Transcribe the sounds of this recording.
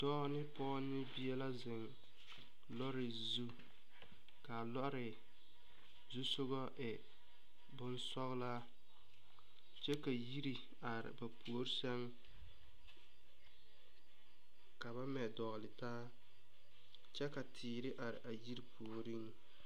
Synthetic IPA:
tɔː˦nɪ˦pɔː˦nːɪ˦bi˦ɛ˦la˦zɪ˨ŋ | lɔ˦ɾɪ˨ | zu˦ | ka˨lɔ˦ɾɪ˨ | zu˦sʊ˦ɣɔ˦ʔɪ˨ | bʊ˦nsɔ˦ɣla˦ | t͡ʃɛ˦ka˨ji˦ɾi˨ | a˨ɾɪ̰˨ba˨pu˨o˦ɾsɛ˦ŋ | ka˨βa˦mɛ˨dɔ˨ɣlɪ˨taː˦ | t͡ʃɛ˦ka˨tʰɪː˨ɾɪ˦ʔa˨ɾɪ̰˨ʔa˨ji˦ɾi˦pu˨o˨ɾi˦ŋ

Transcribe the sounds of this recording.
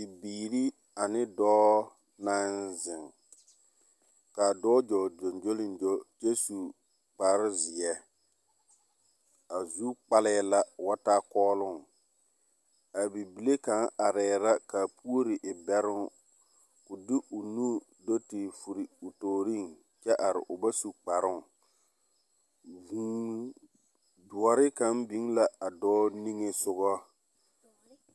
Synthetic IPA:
ɪ˨biː˨ɾi˦ | a˨nɪ˦dɔː˦ | na˦nzɪ˨ŋ | ka˨dɔː˦d͡ʒɔ˨d͡ʒo˨nd͡ʒo˦lɪ˨nd͡ʒo˦d͡ʒe˦su˨ | k͡paː˨˦ɾɪ˦zɪ˨ɛ˦ | a˨zu˦k͡pa˦lɛ˦la˦wa˦ta˦kɔː˦lʊ˦˨ŋ | a˨bi˨bi˨le˦ka˨˦ŋa˨ɾɛː˨ɾa˦ka˨pu˦o˦ɾɪ˨ʔɪ˨bɛ˦ɾʊ˦ŋ | kʊ˨dɪ˦ʔʊ˨nu˦ | do˦tɪ˨fu˨ɾi˨ʊ˨toː˨ɾi˦˨ŋ | t͡ʃɛ˦ʔa˨ɾɪ̰˨ʔʊ˨ba˦su˨k͡pa˨ɾʊ˦ŋ˨ | vu˨ | dʊ˨ɔ˨ɾɪ˦ka˨˦mbi˨˦ŋla˦a˨dɔː˦ni˦ŋe˦sʊ˦ɣɔ˦

